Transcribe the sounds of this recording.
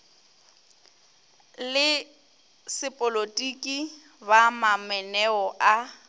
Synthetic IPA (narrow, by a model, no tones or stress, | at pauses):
lɪ | sɪpʼɔlotʼikʼi | bamamɛnɛɔʔa